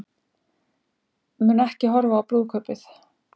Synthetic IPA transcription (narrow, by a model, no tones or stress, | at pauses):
mʏnɛhcɪɦɔɾvaːwpɾuːðkʰœpɪθ